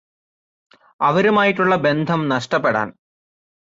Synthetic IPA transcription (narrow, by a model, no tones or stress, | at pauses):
ɐʋɐɾumaːjiʈːuɭːɐbe̞nd̪ʱɐmnɐʂʈɐpːeɽa̰ːn